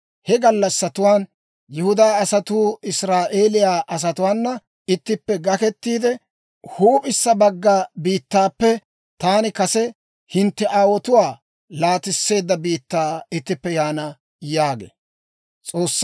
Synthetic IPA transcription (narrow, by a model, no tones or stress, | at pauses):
hɛɡɐlːɐsːɐt̪ʊwaːn | jʊhʊd̪aːɐsɐt̪uːɪsɾaːʔeːlɪjaːʔɐs̬ɐt̪ʊwaːnːɐ | ɪt̪ːɪpːɛɡɐkɛt̪ːiːd̪ɛ | huːpʼɪsːɐbɐɡːabiːt̪ːaːpːɛ | t̪aːnɪkɐsɛ | hɪnt̪ːɛʔaːwɔt̪ʊwaː | laːt̪ɪsːe̞ːd̪ːɐbiːt̪ːaːɪt̪ːɪpːɛjaːnɐ | jaːɡḛː | t͡sʼoːsː